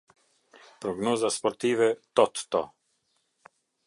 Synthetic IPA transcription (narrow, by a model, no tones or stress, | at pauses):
pɾɔɡnɔzaspɔɾt̪ivɛt̪ɔt̪ːɔ